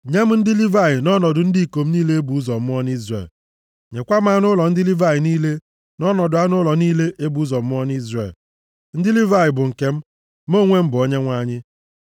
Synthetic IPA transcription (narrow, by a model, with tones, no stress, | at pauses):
ɲe˦m̩˦n̩˦dɪ˦li˦va˦˨ɣɪ˨nɔ˦nɔ˨dʊ˨n̩˦di˦˨ko˨m̩˦niː˦le˦e˦bu˨˦zɔ˨m̩˦m˦ɔ˦n˦i˦zrḛ˨l | ɲe˨kʷa˦m̩˦a˦nʊ˦lɔ˨n̩˦dɪ˦li˦va˦˨ɣɪ˨niː˦le˦ | nɔ˦nɔ˨dʊ˨a˦nʊ˦lɔ˨niː˦le˦ʔe˦bu˨u˦zɔ˨m̩˦ɔ˦n˦i˦zrḛ˨l | n̩˦dɪ˦li˦va˦˨jɪ˨bʊ˨ŋ̩˨ke˦m̩˦ | mo˦˨ŋʷe˦m̩˦bʊ˨o˦ɲe˦ŋʷa˦ɲɪ˦